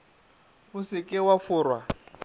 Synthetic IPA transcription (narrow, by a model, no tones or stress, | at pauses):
usikʼɪwafuːɾwa